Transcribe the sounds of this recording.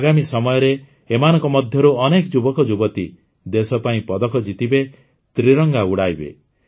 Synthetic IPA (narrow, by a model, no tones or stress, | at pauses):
aɡamisɔmɔjɔɾeː | manɔŋkɔmɔd̪ʱjɔɾuɔnekɔd͡ʒubɔkɔd͡ʒubɔt̪ḭ | d̪esɔpaĩpɔd̪ɔkɔd͡ʒit̪ibe | t̪ɾiɾɔŋɡauɽajbḛ